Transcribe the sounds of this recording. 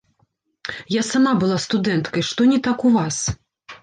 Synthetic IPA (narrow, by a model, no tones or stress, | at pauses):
jasamabɨlˠast̪ud̪ɛnt̪kɐjʂt̪ɔnʲɛt̪akuvas